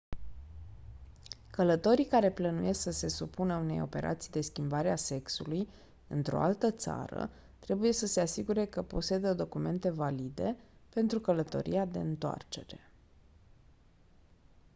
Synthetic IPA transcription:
kələt̪o̞ɾikaɾe̞plənuje̞sksəse̞supunəune̞jo̞̰pe̞̰ɾʔa̰t̪sijd̪e̞skʲimbaɾease̞ksuluj | ɨnt̪ɾo̞̰alt̪ət̪sa̰ɾə̰ | t̪ɾe̞buje̞səse̞asiɡuɾe̞kəpo̞se̞d̪əd̪o̞kume̞nt̪e̞valid̪e̞pe̞nt̪ɾukələt̪o̞̰ɾḭad̪e̞ɨnt̪oa̰rt͡ʃe̞ɾe̞

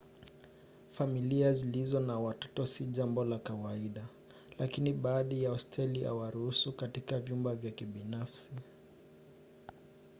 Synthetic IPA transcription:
familiazilizɔnawatɔ̥tɔsiʄambɔlakawaiɗa | lakiniɓaːðijaɔstʰɛliha̰waɾuhusukatikavjumbavjakiɓinafsi

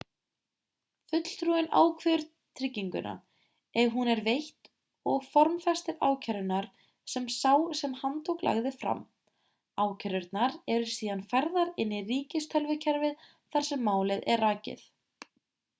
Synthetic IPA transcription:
fʏt̪l̥t̪ɾuɪna̰ːwkʰvɛʏɾ | t̪ʰɾɪcːiŋkʏ̰nʔa̰ | ɛɦunɛɾvejht̪ | ɔɣfɔɾmfɛst̪ɪɾa̰ːwcʰɛɾʏnaɾ̥ | sɛmsaːwsɛmhant̪ʰowkla̰ɣðɪfɾa̰m | aːwcʰɛɾʏɾt̪naɾɛɾʏɾ̥siːðanfaɾðaɾɪnːɪriːcɪst̪ʰœlvʏcʰɛɾvɪð | θaɾ̥sɛmːaːwlɪðɛraːcɪ̰θ

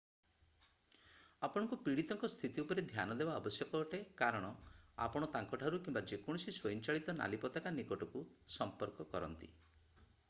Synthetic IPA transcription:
apɔɽ̃ɔ̃ŋkupiɽit̪ɔŋkɔst̪ʰit̪iupɔɾed̪ʱjanɔd̪ebaɔbɔsjɔkɔʈekaɾɔɽ̃ɔ | a̰pɔɽ̃ɔt̪aŋkɔʈʰaɾukimbad͡ʒekɔɽ̃ɔsiswojint͡ʃaɭit̪ɔna̰lipɔt̪akanikɔʈɔku | sɔmpɔɾkɔkɔɾɔ̰nt̪ḭ

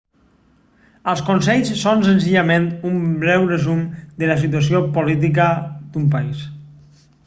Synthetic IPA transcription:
əlˠskonsɛʎssonsənziʎamẽnt̪umbɾɛwrezumd̪əlas̬it̪uas̬iopolit̪̬ikad̪umpais

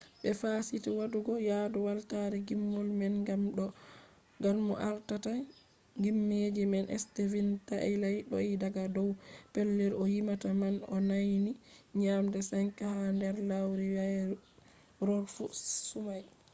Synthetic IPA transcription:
ɓɛfaːsitiwaduɡɔjadɔwaltaɾiɡimːɔlmɛnɡamɗɔ | ɡanmɔ̰ʔaɾtata | ŋɡimːed͡ʒimɛnʔɛ̰stevintaʔɛlajɗɔ̰idaɡadɔwpɛlːɛɾɔjimatamanɔ̰najniɲamdɛsaɲkahandɛɾlawɾiwaj | ɾɔɾfusumaj

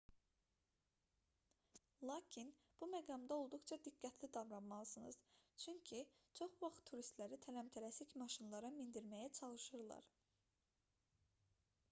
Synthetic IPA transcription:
lˠɑːcʰin | b̥umæɡɑmd̪ɑo̞lˠd̪uχt͡ʃʰɑd̪iɡːæt̪ʰlid̪ɑvɾɑmmɑlˠɯsɯnɯ̰zt͡ʃʰyɲcʰit͡ʃʰo̞χvɑχt̪ʰːuɾist̪læɾit̪ʰælæmt̪ʰæɾæsicmɑʃinlˠɑɾɑmind̪iɾmæjæt͡ʃʰɑlˠɯʃɯɾlˠɑ̰ɾ

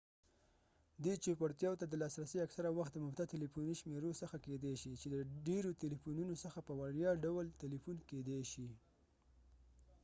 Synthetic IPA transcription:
d̪et͡ʃepaɽt̪jɑwt̪ad̪əlɑsɾasiaksaɾawaxt̪̚d̪əmʊbt̪at̪elifuniʃmeɾosəxaked̪eʃit͡ʃed̪əɖeɾot̪elifununosəxapəwaɾjɑɖawəlt̪ɪlifunked̪eʃi

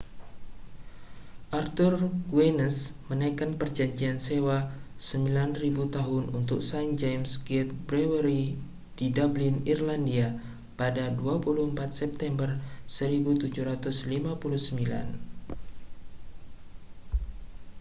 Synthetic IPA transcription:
ʔart̪urɡuɛnəsmənajkanpərd͡ʒaɲd͡ʒiansewasəmbilanribut̪aɦʊnunt̪ʊk̚sajnd͡ʒamsɡɛt̪̚bɾɛwəɾi | didablɪnirlandia | padaduapuluhəmpat̪̚sɛp̚t̪ɛmbərsəɾibut̪ud͡ʒuhɾat̪ʊslimapuluhsəmbila̰n

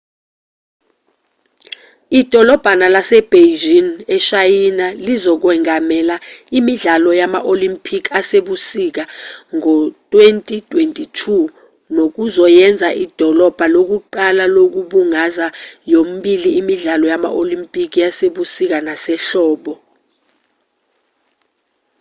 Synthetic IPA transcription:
id̥ʱɔlɔb̥ʱanalasɛb̥ʱed͡ʒinɛʃajinalizɔk̬wɛŋamɛlaimiɮalɔjama̰ʔolimpʰʼikʰaseɓusik̬aŋɔtʼwentʼitʼwentʼitʰu | nok̬uzɔjɛnd͡zʱaʔid̥ʱɔlɔb̥ʱalok̬uǃalalok̬uɓuŋazajom̩ɓiliːmiɮalɔjama̰ʔolimpʼik̬ʰʼijaseɓusik̬anasɛɬɔːɓɔ

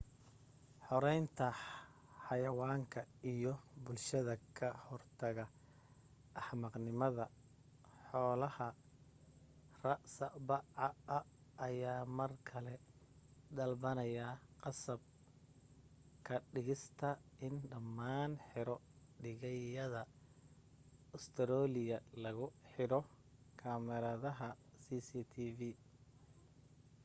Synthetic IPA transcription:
ħɔɾɛjnt̪ʰɐ | ħɑjɐwaːŋkʰɐijɞbʊlʃɐðɐkʰɐhɔrt̪ʰɐɣɐ | ʔːħmɐqnɪmɐðɐ | ħɔːlɐhɐ | rɐʔsɐbɑɑɐːjaːmɐrkʰɐlɛ | d̪ɐlbɐnɐjɐqɑsɐb̚ | kʰɐɖɪɣɪst̪ʰɐɪnɖɐmːaːnħɪɾɔɖɪɣɐjɐðɐ | ʊst̪ʰɾɔːlɪjɐlɐɣʊħɪɾɔ | kʰamɛɾaːðɐɦɐsisiːt̪ʰiːvi

